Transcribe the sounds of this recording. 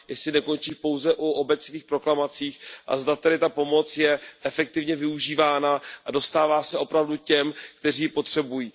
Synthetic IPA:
jɛsɪnɛko̞nt͡ʃiːpo̞wzɛʔuʔobɛt͡sviːxpɾo̞klamat͡siːxʔa̰zdat̪ɛɾɪt̪apo̞mo̞t͡sjɛʔɛfɛk̚t̪ɪvɲɛvɪuʒiːvaːnaʔado̞st̪aːvaːsɛʔo̞pɾavducɛmkt̪ɛriːpo̞t̪r̥ɛbujiː

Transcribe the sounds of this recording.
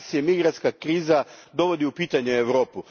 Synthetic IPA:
siemiɡɾant̪skakɾiːzad̪o̞ʋo̞d̪iupiːt̪aɲeeʋɾo̞ːpu

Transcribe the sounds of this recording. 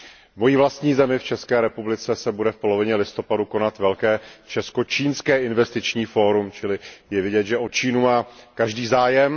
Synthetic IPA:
vmo̞jiːvlast̪ɲiːzɛmɪft͡ʃɛskɛːɾɛpublɪt͡sɛsɛbudɛfpo̞lo̞vɪɲɛlɪst̪o̞paduko̞nat̪vɛlkɛːt͡ʃɛsko̞t͡ʃiːnskɛːʔɪnvɛst̪ɪt͡ʃɲiːfo̞ːɾumt͡ʃɪlɪjɛvɪɟɛt̪ʒɛʔo̞t͡ʃiːnumaːkaʒdiːzaːjɛm

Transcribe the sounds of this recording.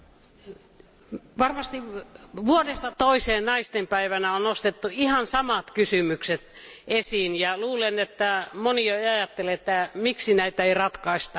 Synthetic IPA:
ʋɑrmɑst̪iʋuodest̪ɑt̪oiseːnnɑist̪empæiʋænæonnost̪et̪ːuihɑnsɑmɑt̪kysymykset̪ | esiːnjɑluːlenet̪ːæmonioeiɑjɑt̪ːeleet̪ːæmiksinæit̪æeirɑt̪kɑist̪ɑ

